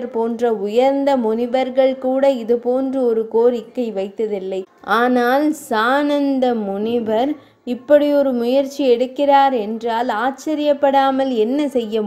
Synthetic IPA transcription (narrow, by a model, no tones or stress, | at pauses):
ɾpoːndrɐʊjɐɾnd̪ɐmʊnɪbɐɾɣɐɭkuːɽɐɪðɯpoːndrɯɔɾɯkoːɾɪkːɐɪʋɐɪt̪ːɐðɪlːɐɪ | ʔaːnaːlsaːnɐnd̪ɐmʊnɪbɐɾ | ɪpːɐɽiɔɾɯmʊjɐɾt͡ʃːiɛɽɯkːɪraːɾɛndraːlaːt͡ʃːɐɾɪjɐpːɐɽaːmɐlɛnːɐsɛjːɐ